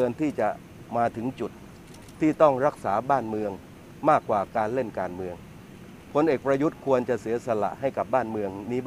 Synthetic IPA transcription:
ɤː˧nt̪ʰiː˥˩t͡ɕa˨˩ʔ | maː˧t̪ʰɯ˩˦ŋt͡ɕu˨˩t̪̚ʰː | iː˥˩t̪ɔ˥˩ŋɾa˦˥k̚saː˩˦baː˥˩nmɯ˧əŋ | maː˥˩kːwaː˨˩kaː˧nle˥˩nkaː˧nmɯ˧əŋ | pʰo˧nʔeː˨˩k̚pɾa˧ju˦˥t̪̚kʰu˧ənt͡ɕa˨˩ʔsi˩˦sa˧la̰˨˩ʔɦa˥˩jka˨˩p̚baː˥˩nmɯ˧əŋniː˦˥˩

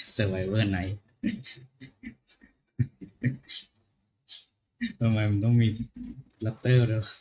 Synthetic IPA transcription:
sa˧˩wa˧jwaː˧˥˩na˧˦j | t̪a˧ma˧jma˧nt̪ɔ˥˩ŋmiː˧la˦˥p̚t̪ɤː˥˩ɾɯ˧˩

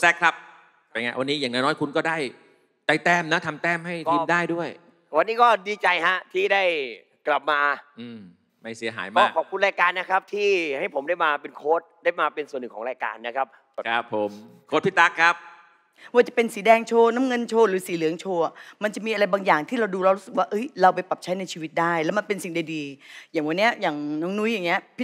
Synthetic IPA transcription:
sɛ˦˥kʰɾa˦˥p̚ | pa˧jŋa˦˥jwa˧nːiː˦˥jaː˨˩ŋnɔː˦˥jnɔː˦˥jkʰu˧nkɔː˥˩daː˥˩j | t͡ɕa˧˩jt̪ɛː˥˩mna˦˥t̪ʰa˧mt̪ɛː˥˩mɦa˥˩jtʰiː˧daː˥˩jdu˥˩əj | wa˧nːiː˦˥kɔː˥˩diː˧t͡ɕa˧jɦa˦˥ʔt̪ʰiː˥˩daː˥˩j | kla˨˩p̚maː˧ʔɯː˧˩m | ma˥˩jsi˩˦ɐɦa̰ː˩˦jmaaɔː˥˩kʰɔː˨˩p̚kʰu˧nɾaː˧jkaː˧nːa˦˥kʰa˦˥p̚t̪ʰiː˥˩ha˥˩jpʰo˩˦mda˥˩jmaː˧pe˧nkʰoː˦˥t̪̚da˥˩jmaː˧pe˧nsu˨˩nɯ˨˩kʰɔː˩˦ŋɾaː˧jka̰ː˧nːa˦˥kʰa˦˥p̚ | kʰa˦˥pʰːo˨˦mkʰoː˦˥t̪̚pʰi˦˥t̪ːa˦˥kʰːɾa˦˥p̚ | waː˧t͡ɕa˨˩pe˧nsiː˩˦dɛː˧ŋt͡ɕʰoː˧na˦˥mŋɤ˧nt͡ɕʰoː˧ɾɯː˩˦siː˨˩˦lɯː˨˩˦əŋt͡ɕʰoː˧a˨˩ma˧nt͡ɕa˨˩ʔmiː˧ʔa˧ɾa˧jbaː˧ŋjaː˨˩ŋt̪ʰiː˥˩ɾa˧wduː˧ɾa˧wɾu˦˥sɯ˨˩k̚waː˥˩ʔɤ˦˥jɾa˧wpa˧jpa˨˩p̚t͡ɕʰa˦˥jna˧jt͡ɕʰiː˧wi˦˥t̪̚daː˥˩jlɛː˦˥wma˧npe˧nsi˨˩ŋda˨˩jdiː˧jaː˨˩ŋwa˧nːi˦˥ɐjaː˨˩ŋnɔː˦˥ŋnu˦˥ja˨˩ŋːni˦˥ɐpʰ

